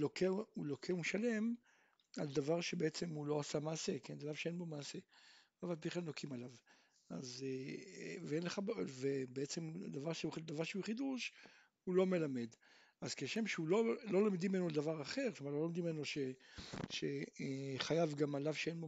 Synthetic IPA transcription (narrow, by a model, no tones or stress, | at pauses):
lokeulokʰeumʃale̞m | ald̪avaʁʃebeet͡se̞mulo̞asamaːse̞kendalavʃeenbo̞maːse̞ | avalpiχlalnokimalav | a̰z | veenleχabvebeet͡semd̪avaʁʃeud̪avaʁʃeuχid̪uʃ | hulo̞me̞lame̞d̪ | az̥keʃemʃeulo̞lo̞lomd̪imenoald̪avaʁaχe̞ʁklomaʁlolomd̪imenoʃeʃe | χajavɡamalavʃeenbo